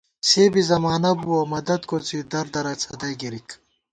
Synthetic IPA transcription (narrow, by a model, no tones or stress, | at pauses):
seːbizɐmaːnɐbuɐmɐd̪ɐd̪kot͡sid̪ɐɾd̪ɐɾɐt͡sʰɐd̪ɐjɡiɾik